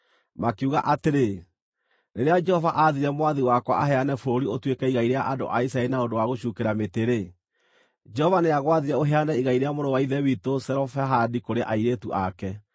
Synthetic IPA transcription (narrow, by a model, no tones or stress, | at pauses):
makeuɣaʔateɾe | neɾead͡ʒɛhɔvaʔaðiɾɛmowaðiwakwa̰ʔaɦɛanɛfoɾoɾiotwekɛiɣaiɾeaʔado̰ʔaisaɛɾinaodowaɣoɕukeɾameteɾe | d͡ʒɛhɔvaneaɣwaðiɾɛoɦeanɛiɣaiɾeamoɾɔwaiðɛwitosɛɾɔfɛɦadikoɾeʔaiɾetuʔakɛ